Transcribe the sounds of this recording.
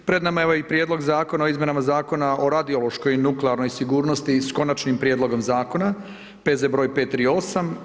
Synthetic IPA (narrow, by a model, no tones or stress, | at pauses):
pɾe̞d̪namajeʋoeipɾjed̪lo̞ɡzaːko̞naoizmje̞namazaːko̞naʔo̞ɾad̪iolˠo̞ʃko̞jnukleaɾno̞jsiɡuːɾno̞st̪isko̞nat͡ʃnimpɾjeːd̪lˠo̞ɡo̞mzaːko̞na | pe̞zebɾo̞ːjpet̪ɾio̞sam